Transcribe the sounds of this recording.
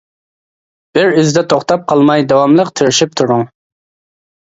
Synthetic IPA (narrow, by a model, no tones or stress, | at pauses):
b̥ɪɾyzd̪ɛt̪ʰoχt̪ʰɑp̚qʰɑlˠmɑjd̪ɑwɑmlˠəqt̪ʰɪɾɪʃip̚t̪ʰuɾʊŋ